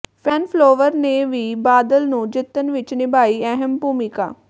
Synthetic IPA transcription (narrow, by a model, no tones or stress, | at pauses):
pʰɛːnploːʋəɾneʋiːbaːd̪əlnũːd͡ʒɪt̪ːənʋɪt͡ʃnɪbaːiːɛɦɛmbuːmika̰ː